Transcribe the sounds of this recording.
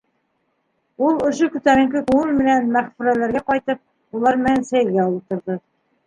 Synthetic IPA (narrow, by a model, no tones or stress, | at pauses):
ulˠŏʃokɵ̆t̪æɾɘ̆ŋkɘkuŋɤlmɘ̆nænmæχfʉɾælæɾɡæqɑjt̪ɤp̚ | ulˠɑɾmɘ̆nænsæjɘ̆lɡæulˠɤp̚t̪ŏɾðɤ